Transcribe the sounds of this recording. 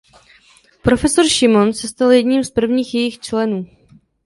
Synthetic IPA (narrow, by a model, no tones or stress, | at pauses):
pɾo̞fɛsoɾʃɪmo̞nsɛst̪aljɛdɲiːmspr̩vɲiːxjɛjɪxt͡ʃlɛnuː